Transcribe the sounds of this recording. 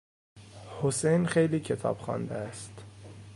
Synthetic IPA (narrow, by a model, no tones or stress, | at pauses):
hosejnxejliːcʰe̞t̪ʰɒ̰ːb̥xɒ̰ːnd̪eæst̪